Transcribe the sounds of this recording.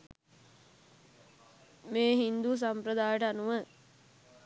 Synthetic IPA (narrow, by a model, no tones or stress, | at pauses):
meːɦind̪us̬ampɾəd̪aːjəʈəanuʋə